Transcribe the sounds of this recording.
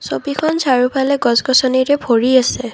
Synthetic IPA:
sɔbikʰɔnsaɹupʰalɛɡɔzɡɔsɔniɹɛbʱɔɹiasɛ

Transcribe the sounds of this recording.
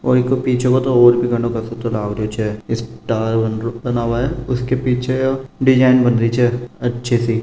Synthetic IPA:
ɔːɾɪkopiːt͡ʃʰẽkot̪ooːɾbʱiɡɐ̃ɳɖõkɐsot̪olaːʋɾjot͡ʃʰɛɪsʈaːɾbɐnobɐnaːʋaɦɛʊskepiːt͡ʃʰeoɖɪd͡ʒaːɪnbɐnɾit͡ʃʰɛːɐtːʃʰesi

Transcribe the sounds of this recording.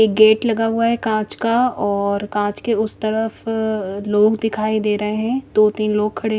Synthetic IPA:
eːk̚ɡeːʈlɐɡaɦʊaɦɛkãːt͡ʃkaɔːɾkãːt͡ʃkeʊst̪ɐɾəfloːɡd̪ɪkʰaːid̪eːɾɐɦeɦɛ̃d̪̥oːt̪iːnloːɡ̚kʰːɐɽe

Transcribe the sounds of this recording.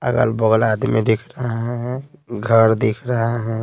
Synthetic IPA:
ɐ̰ɡə̰lbɔɡlaːd̪mẽd̪ɪkʰɾəɦaɦɦɛ̃ɡʱəɾd̪ɪkʰɾɐɦaɦɛ̃

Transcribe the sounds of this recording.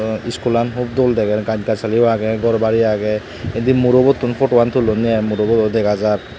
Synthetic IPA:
iskulanɦub̚d̪oldɛɡɛɡaɲkasalibaɡɛɡɔɹbaɹiaɡɛ | edimuɾobɔt̪ːunpʰɔʈwant̪ʰulɔnijamuɾobɔtɔd̪ɛɡazaɹ

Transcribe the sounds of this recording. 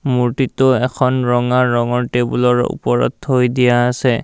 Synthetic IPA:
muɹtitʊɛkʰɔnɹɔŋaɹɔŋɔɹtebulɔɹṵpɔɹɔ̰thojdijaːsɛ

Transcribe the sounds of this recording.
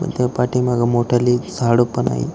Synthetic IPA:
mə̰t̪apaʈʰimaɡamoʈʰalisaɽopəɳa̰ɦḭ

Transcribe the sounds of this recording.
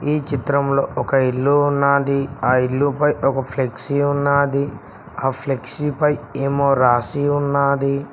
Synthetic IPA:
iːt͡ʃit̪ɾɐmlo̞ːɔkɐilːuunːaːd̪iaːilːupɐjɔkɐpʰleksiunːaːd̪i | aːpʰleksipɐjeːmoːɾaːsiunːaːd̪i

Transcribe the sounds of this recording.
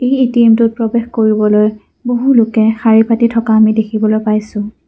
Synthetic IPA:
ejitimtʊt̚pɹɔbexkoɹibɔloj | boɦulʊkɛxaɹipatitʰɔkaːmidekʰibɔlojpajsʊ̃

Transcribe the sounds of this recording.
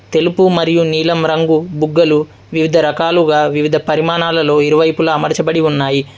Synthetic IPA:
t̪e̞lupumɐɾijuniːlɐmɾɐŋɡubuɡːɐlu | ʋiʋid̪ʱɐɾɐkaːluɡaːʋiʋid̪ʱɐpɐɾimaːnaːlɐlo̞ːiɾuʋɐjpulɐːmɐɾt͡ʃɐbɐɽiunːaːji

